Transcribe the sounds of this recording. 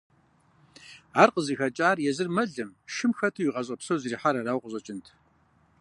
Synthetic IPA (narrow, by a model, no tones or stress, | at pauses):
aːrqəziːxɐt͡ʃʼaːrjɛzɨrmɐɮɨmʃɪmxɐtʰɨwiʁɐɕ̬ʼɐpsowziriːħaɾɐraːwqʷʼəɕʼɐt͡ʃʼɪntʰ